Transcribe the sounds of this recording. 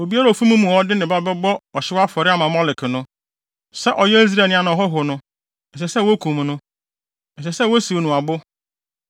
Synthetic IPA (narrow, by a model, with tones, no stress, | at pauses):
o˨bi˦a˦ɾa˨o˨fu˦mũ˦mũ˨ɔ˦dɪ˦nɪ̃˨ba˦bɛ˦bɔ˦ɔ˨ɕɪ˦wa˦fɔ˨ɾɪ˦a˦mã˨mɔ˦lɪ˨kɪ˨nʊ̃˦ | sɛ˦ʔɔ˨jɛ˦i˦z̬ɾe˨nɪ̃˨a˨nã˨ɔ˨ɦɔ˦ɦʊ˨nʊ̃˦ | n̩˨s̬ɛ˨sɛ˦˨wo˦kʰũ˨m˨nʊ̃˦ | n̩˨sɛ˨sɛ˦wɔ˦si˨we˨nʊ̃˨a˨bʊ˦